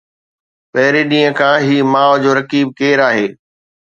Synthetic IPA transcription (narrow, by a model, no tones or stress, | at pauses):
pɐɦɾiɗĩːə̃kʰãːɦiːmaːʋd͡ʑoːɾɐkiːb̚keːɾaːɦeː